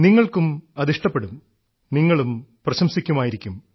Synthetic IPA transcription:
niŋːɐɭkumɐðiʂʈɐpːeɽum | niŋːɐɭumprɐɕɐmsikʲːumaːjiɾikʲːum

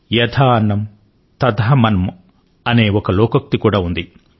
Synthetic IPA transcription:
jɐd̪ʰaːɐnːɐm | t̪ɐd̪ɐɦɐmɐnɐm | ɐne̞ːɔkɐlɔːkɐk̚t̪ikuːɽaːund̪i

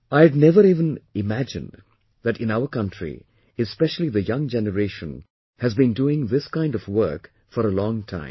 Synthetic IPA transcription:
aɪdnɛvəɾivə̃nɪmæd͡ʒɨ̰̃n | ðɨʈɪ̃naʊəkʌ̃ntʰɹḭ | ɨspɛʃəl̩ˠiðɨjʌ̃ŋd͡ʒɛnəɾeʃə̃n | hɨzbĩnduɪ̃ŋðɪskãɪ̃ndɔvwɜ˞k | fəɾəlɔ̃ŋtʰã̰ɪ̃m

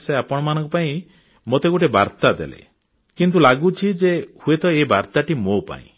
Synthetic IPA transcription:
seapɔɽ̃ɔmanɔ̃ŋkɔpaĩ | mot̪eɡuʈebaɾt̪ad̪ḛlḛ | kint̪̬ulaɡut͡ʃʰid͡ʒehuet̪ɔebaɾt̪aʈimopa̰ḭ̃

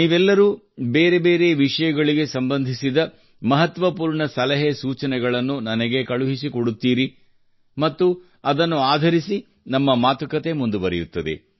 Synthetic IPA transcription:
niːʋɛlːɐɾuː | beːɾe̞be̞ːɾe̞ʋiʂɐjɐɡɐɭiɡe̞sɐmbɐnd̪ʱisid̪ɐ | mɐɦɐt̪ʋɐpuːɾɳɐsɐlɐɦesuːt͡ʃɐnɛɡɐɭɐnːunɐnɐɡe̞kɐɭuɦisikoɽut̪ːiːɾi | mɐt̪ːu | ɐd̪ɐnːuaːd̪ʱɐɾisi | nɐmːɐmaːt̪ɐkɐt̪e̞mund̪ubɐɾɛjut̪ːɐd̪ḛ

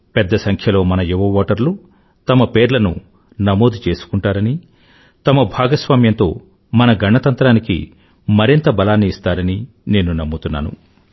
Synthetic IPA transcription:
pɛd̪ːɐsɐŋkʰjɐlo̞ːmɐnɐjuʋɐʋaːʈɐɾlu | t̪ɐmɐpe̞ːɾlɐnṵ | nɐmo̞ːd̪ʱut͡ʃe̞ːsu̥kuɳʈaːɾɐni | t̪ɐmɐbʱaːɡɐsʋaːmjɐnt̪o̞̰ː | mɐnɐɡɐɳːɐt̪ɐnt̪ɾaːnikḭ | mɐɾint̪ɐbɐlaːnːiːst̪aːɾɐni | ne̞ːnunɐmːut̪unːa̰ːnṵ

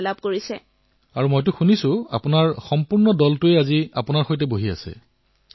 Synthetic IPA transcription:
lab̚koɹisɛ | aɹumojt̬ʊxunisʊ̃a̰pʊnaɹxɔmpuɹnɔdɔltʊeaziapʊnaɹxojtɛboɦia̰sɛ̰

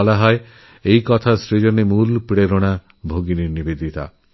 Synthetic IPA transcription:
laɦɔe | ejkɔt̪ʰasɾid͡ʒɔnemulpɽeɾɔɽ̃a | bʱoɡiniɾnibed̪ʱit̪a̰

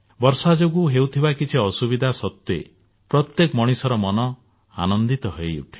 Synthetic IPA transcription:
bɔɾsad͡ʒoɡuɦewt̪ʰibakit͡ʃʰiɔsubid̪ʱasɔt̪ːḛ | pɾɔt̪jekmɔɽ̃isɔɾɔmɔnɔ | a̰nɔnd̪it̪ɔɦejṵʈʰi̥

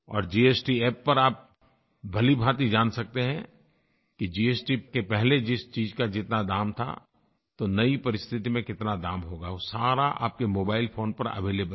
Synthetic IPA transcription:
ɔ̰ːɾd͡ʒiːeːsʈiɛːpːɐɾaːp̚ | bʱɐlibʱaːt̪id͡ʒaːnsɐk̚t̪eɦɛ̃ | kid͡ʒiːeːsʈikepɛɦled͡ʒɪst͡ʃiːd͡ʒkad͡ʒɪt̪nad̪aːmt̪ʰa̰ | t̪onɐipɐɾɪst̪ʰɪt̪imẽkɪt̪nad̪aːmɦoːɡasaːɾaʔa̰ːp̚kemoːbaːɪlpʰoːnpɐɾɐ̰ʋeːleːbə

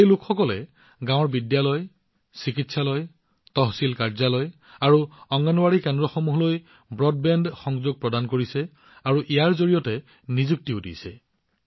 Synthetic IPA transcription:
ejlʊkʰxɔkɔlɛ | ɡãwɔɹbidjalɔj | sikitsalɔj | tɔɦsilkaɹzalɔj | aɹuɔŋɡanɔwaɹikɛndɹɔxɔmuɦloj | bɹɔd̚bɛndxɔŋzoɡ̚pɹɔdankoɹisɛ | aɹuʔijaɹzoɹijɔtɛ | nizuk̚tiudḭsɛ

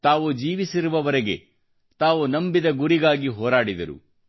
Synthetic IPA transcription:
t̪aːʋud͡ʒiːʋisiɾuʋɐʋɐɾeɡe̞̰ | t̪aːʋunɐmbid̪ɐɡuɾiɡaːɡiɦɔːɾaːɽid̪ɐɾṵ

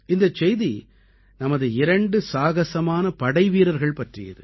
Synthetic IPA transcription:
ɪnd̪ɐt͡ʃːɛjði | nɐmɐðɯɪɾɐɳɖɯsaːɣɐsɐmaːnɐpɐɽɐɪʋiːɾɐɾɣɐɭpɐʈrɪ̰jɐ̰ðɯ

